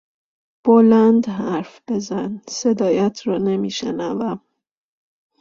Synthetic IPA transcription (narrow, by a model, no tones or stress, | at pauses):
b̥olænd̪ɦæɾfb̥e̞zænsed̪ɒːjæt̪ʰɾɒːne̞miːʃḛnævæm